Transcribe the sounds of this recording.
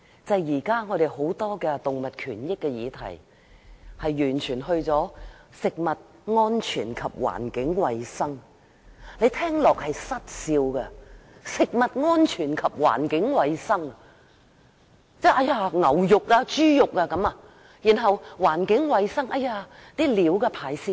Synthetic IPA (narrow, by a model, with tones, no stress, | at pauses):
t͡sɐ˨jjiː˨˩kaː˥ŋɔ˨˧d̪e˨jho˨˥wt̪ɔː˥kɛ˧t̪ʊ˨ŋmɐ˨t̚kʰyː˨˩njɪ˥kːɛ˧jiː˨˧t̪ʰɐ̰˨˩j | hɐ˨jːyː˨˩nt͡ʃʰyː˨˩nɦɵ˧ɥt͡sɔː˨˥sɪ˨k̚mɐ˨t̚ | ŋɔː˥nt͡ʃʰyː˨˩nkʰɐ˨p̚wa̰ː˨˩nkɪ˨˥ŋwɐ˨˧jsɐ˥ŋ | le˨˧t̪ʰɛː˥ŋlɔː˨k̚hɐ˨jsɐ˥t̚siː˧wkɛ˧sɪ˨k̚mɐ˨t̚ŋɔː˥nt͡ʃʰyː˨˩nkʰɐ˨p̚wa̰ː˨˩nkɪ˨˥ŋwɐ˨˧jsɐ˥ŋ | t͡sɛː˥ʔɐ˥jaː˧ŋɐ˨˩wjʊ˨k̚ːaː˧t͡ʃyː˥jʊ˨k̚ːaː˧kɐ˨˥maː˧ | jiː˨˩nɦɐ˨wwaː˨˩nkɪ˨˥ŋwɐ˨˧jsɐ˥ŋʔɐ˧jaː˧t̪iː˥liː˨˥wkɛː˧pʰaː˨˧jsiː˥